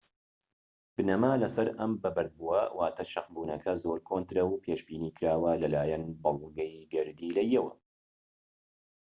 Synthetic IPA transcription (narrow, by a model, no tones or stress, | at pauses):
b̥ɨnɐmaːlɐsɐɾɐ̰mbɐbɐɾd̪̚buɐwʔaːt̪ʰɐʃɐqbuːnɐkʰɐzoːɾkʰoːnt̪ɾɐwpʰeːʃbiːniːkʰɨɾaːwɐlɐlaːjɐnbɐlˠɡɐjɡɨɾd̪iːlɐjɛwɐ̰